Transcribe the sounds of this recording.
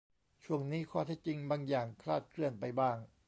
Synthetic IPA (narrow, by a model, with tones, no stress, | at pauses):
t͡ɕʰu˥˩əŋniː˦˥˩kʰɔː˥˩t̪ʰɛ˦˥˩t͡ɕi˧ŋbaː˧ŋjaː˨˩ŋkʰlaː˥˩t̪̚kʰɾɯ˥˩ənpa˧jbaː˥˩ŋ